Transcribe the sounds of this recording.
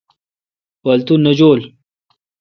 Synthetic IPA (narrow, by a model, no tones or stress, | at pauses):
pɐlt̪unːəd͡ʑoːl